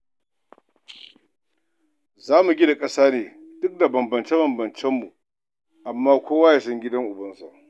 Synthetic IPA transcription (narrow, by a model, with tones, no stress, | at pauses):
zaː˦mu˨ɡʲɪ˦da˨kʼɐ˦saː˦neː˨dʊ˦k̚da˨bɐ˨mbɐ˨nt͡ʃe˦bɐ˨mbɐ˨nt͡ʃɛ˦mːu˨ | ʔa˨mːaː˦kʷoː˦waː˦ja˨sɐ˦ŋɡʲɪ˦dɐ˦ŋʔʊ˨bɐ˦nsa˨ʔ